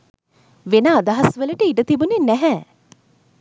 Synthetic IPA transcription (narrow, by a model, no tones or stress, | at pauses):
ʋenaːd̪aɦɐsʋələʈəiɖət̪ibunenɛɦɛ